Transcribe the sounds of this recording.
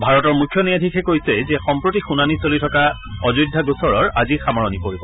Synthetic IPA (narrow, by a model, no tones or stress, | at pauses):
bʱaɹɔtɔɹmukʰːjɔnijadʱikʰɛkojsɛzɛxɔmpɹotixunanisolitʰɔka | ɔzujdʱːaɡusɔɹɔɹazixamaɹɔnipoɹibɔ